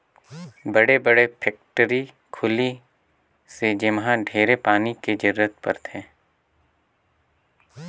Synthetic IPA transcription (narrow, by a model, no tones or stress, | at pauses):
bɐɽebəɽepʰɛːk̚ʈəɾi | kʰʊli | sed͡ʒɪmɦãɖʱeːɾepaːniked͡ʒɪɾːət̪̚pə̰ɾt̪ʰɛ̃ː